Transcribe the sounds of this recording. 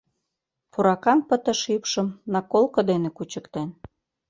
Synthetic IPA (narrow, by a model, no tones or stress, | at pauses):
puɾɑkɑnpə̆t̪ə̆ʃipʃə̆mnɑkolkŏd̪enekut͡ɕə̆kt̪en